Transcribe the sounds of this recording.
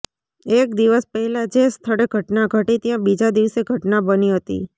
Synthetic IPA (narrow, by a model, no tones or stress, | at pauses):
ekd̪iʋəspəɦɛlad͡ʒest̪ʰəɽeɡʱəʈnaɡʱəʈit̪jãbid͡ʒad̪iʋseɡʱəʈnabəniɦət̪ḭ